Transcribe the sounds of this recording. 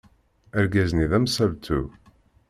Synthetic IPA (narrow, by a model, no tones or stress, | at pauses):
æɾɡæzniðæmsælt̪ʰṵ